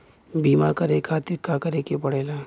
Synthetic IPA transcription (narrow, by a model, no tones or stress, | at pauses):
biːmakɐɾekʰaːt̪ɪɾkakɐɾeːkepɐɽeːlaː